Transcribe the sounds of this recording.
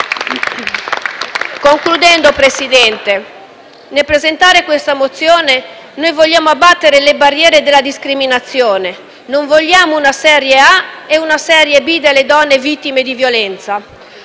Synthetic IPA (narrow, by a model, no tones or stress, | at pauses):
koŋklud̪ɛnd̪opɾesid̪ɛnt̪e | nelpɾezent̪aːɾekwest̪amot̪sːjoːne | nojvoʎːaːmoabːat̪ːeɾelebarːjɛːɾed̪elːad̪iskɾiminat̪sːjoːne | noɱvoʎːjaːmounasɛːɾjeaeunasɛːɾjebid̪elːed̪ɔnːevit̪ːimed̪ivjolɛnt̪sa